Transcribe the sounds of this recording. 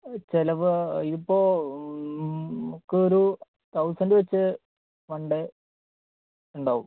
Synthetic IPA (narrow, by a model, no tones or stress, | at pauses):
t͡ɕelɐʋɨiipːo̞ː | kːɨoɾu | t̪ɐwsɐndɨʋet͡ɕːɨ | ʋɐɳɖe | uɳɖaːʋum